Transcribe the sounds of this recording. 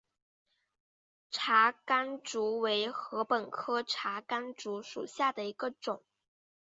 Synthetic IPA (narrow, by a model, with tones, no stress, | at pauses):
ʈ͡ʂʰa˧˥ka˥nʈ͡ʂu˧˥we˧˥ɪxɤ˧˥pə˨˩nkʰɤ˥ʈ͡ʂʰa˧˥ka˥nʈ͡ʂu˧˥ʂṵ˨˩ɕja˥˩d̪ə˩i˧˥ɡə˧ʈ͡ʂʊ˨˩˦ŋ